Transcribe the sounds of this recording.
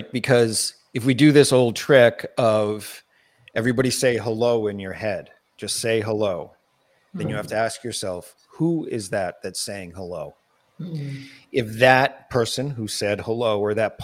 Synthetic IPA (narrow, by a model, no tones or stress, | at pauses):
t̚b̥ɨkʰʌz | ɨfwidɨðɪsoʊlˠd̚tʰɹ̥ɪkʌv̥ | ɛvɹibɑɾiseɪɦəloʊɨ̃njə˞hɛd̥̚ | d͡ʒ̥ʌstseɪɦəloʊ | ðɨ̃njɨhæftɨæskjə˞sɛlˠf | huɪzðɨt̪̚ðɨtseɪɪ̃ŋhəloʊ | ɪfðɨt̚pʰɜ˞sɨ̃nɦusɛd̚həloʊə˞ðɨt̚pʰ